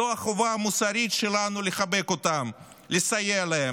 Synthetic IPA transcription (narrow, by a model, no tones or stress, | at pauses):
oaχo̞vaːmusaɾit̪ʃelanuleχabe̞ko̞t̪am | lesajealee